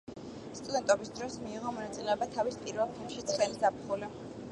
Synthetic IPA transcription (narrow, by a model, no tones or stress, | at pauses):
st̪ʼud̪ɛnt̪ʼɔbisd̪ɾɔsmiːʁɔmɔnat̪sʼilɛɔbat̪ʰavispʼiɾvɛlˠpʰilˠmʃit̪sʰχɛlisapʰχuli